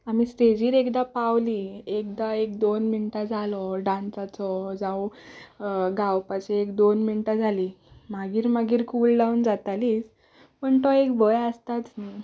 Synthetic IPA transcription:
am̤isɾed͡ʑiːɾekd̪apawliek̚d̪aekd̪onminʈad͡zʱalɔɖãnt͡sat͡sɔd͡zaw | ɡawpaɕeekd̪onminʈad͡zʱali | maɡiːɾmaɡiːɾkuːlɖaund͡zat̪aliːs | pəɳt̪ɔekbəjəst̪at͡s̪

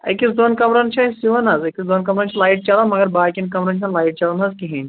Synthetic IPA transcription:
ɐ̰kisd̪onkɐmɾɐnt͡ʃʰaɦisiʋɐnɐzekisd̪onkɐmɾɐnt͡ʃʰilaiʈ̚t͡ʃɐlanmɐɡɐɾbakʲinkɐmɾɐnt͡ʃʰalaiʈ̚t͡ʃɐlɐnɐzkiɦẽ

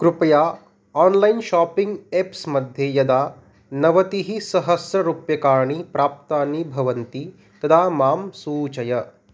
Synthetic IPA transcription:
kɾupɐjaː | aːnlɐjnʃaːpiŋɡeːpsmɐd̪ʱjejɐd̪aː | nɐʋɐt̪iɦisɐɦɐsɾɐɾuːpjɐkaːɾɳipɾaːp̚t̪aːnːibʱɐʋɐnt̪i | t̪ɐd̪aːmaːmsuːt͡ʃɐjɐ

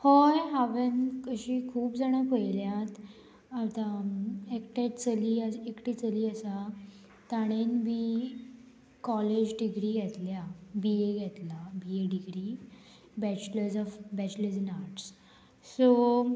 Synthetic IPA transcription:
hɔjɦaʋənkəɕiːkʰuːbd͡zaɽ̃akojljãt̪ | at̪ãekʈeʈ̚t͡səliːaekʈiːt͡səliːəsa | t̪aɽ̃enbi | kɔled͡ʑɖiɡɾiːɡʱɛt̪ljabieɡʱɛt̪labieɖiɡɾiː | bæt͡ɕləɾd͡zɔfbɛt͡ɕləɾd͡zinaɾʈs | so

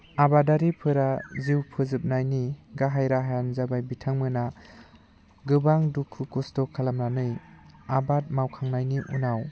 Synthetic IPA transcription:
abadaɾipʰɯɾaziwpʰɯzɯp̚najniɡaɦajɾaɦajanzabajbitʰaŋmɯna | ɡɯbaŋdukʰːukustɔkʰalamɾanɯjabat̚mawkʰaŋnajniʔṵnaw

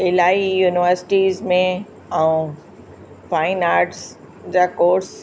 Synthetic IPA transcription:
ɪlaːijuːnɪʋəɾsɪ̥ʈiːzmẽ | ɐũ | faːɪnaːɾɖs | d͡ʑaːkoːɾs

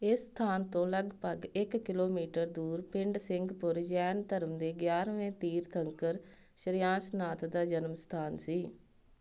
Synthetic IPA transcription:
ɪsːt̪ʰaːnt̪õːləɡpəɡɪkːɪloːmiːʈəɾd̪uːɾpɪɳɖsɪ̃ŋɡpʊɾd͡ʒɛːnt̪əɾəmd̪eːɡjaːɾʋẽːt̪iːɾt̪ʰəŋkəɾ | ʃəɾɪjãːsnaːt̪ʰd̪aːd͡ʒənmst̪ʰaːnsiː

